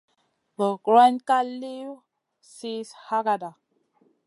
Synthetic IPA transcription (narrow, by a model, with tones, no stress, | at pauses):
bə˨ɡɾa˦nka˦li˦u˦ | si˦sha˦ɡa˨da˨